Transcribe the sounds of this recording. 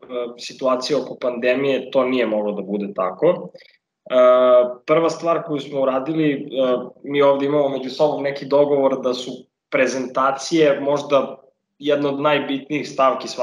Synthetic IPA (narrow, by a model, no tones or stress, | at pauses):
sit̪uaːt̪sijeokopand̪emijet̪o̞ːnije̞moɡlod̪abud̪et̪a̰ko̞ | əpr̩ʋast̪ʋaːɾkojusmouɾaːd̪iliəmiːo̞ːvd̪eimamome̞d͡ʑusobomnekid̪o̞ɡo̞ʋo̞ɾd̪asu | pɾe̞zent̪aːt̪sije̞mo̞ʒd̪a | jɛd̪nood̪najbit̪niixst̪aʋkisa